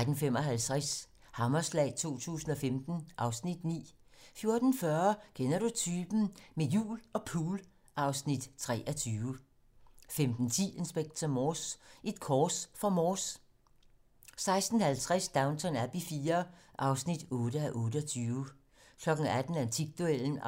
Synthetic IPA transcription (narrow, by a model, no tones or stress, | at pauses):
d̥n̩femɒ̽ɦælt͡sʰʁas | hɑ̈mɐslɛ̰ɪt͡sʰo̝̰ːt͡sʰṵːsn̩ɒ̽femd̥n̩ʔɑ̈ʊsnid̥nḭː | fjo̝ɐd̥n̩fɶɐkʰenɐɾ̥ut͡sʰyːb̥n̩mejṵːlɒ̽pʰuːl | ʔɑ̈ʊsnid̥t͡sʰʁɛ̰ːʔɒt͡sʰyːʊə | femd̥n̩t͡sʰḭːe̝nsb̥eɡ̥̚t͡sʰɒmɒːsʔe̝d̥̚kʰɒːsfɒ̽mɔːs | sɑ̈ɪsd̥n̩hælt͡sʰʁasd̥ɑ̈ʊnt͡sʰɒ̽næb̥ifiːɐʔɑ̈ʊsnid̥ɔ̽ːɾ̥əæʔɔ̽ːɾəɒt͡sʰyːʊ | kʰlɒ̽ɡ̥n̩æd̥n̩ænt͡sʰiɡ̥̚d̥uel̰n̩